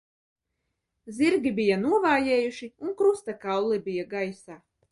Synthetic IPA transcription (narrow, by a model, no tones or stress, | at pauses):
zʲiɾɡʲibijanuɔvaːjɛːjuʃiunkɾust̪akawlˠibijaɡajsaː